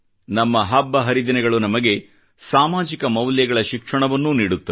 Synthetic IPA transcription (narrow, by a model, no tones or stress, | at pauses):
nɐmːɐɦɐbːɐɦɐɾid̪inɛɡɐɭunɐmɐɡe̞ | saːmaːd͡ʒikɐmɐwljɐɡɐɭɐʃikʂɐɳɐʋɐnːuniːɽut̪ːɐ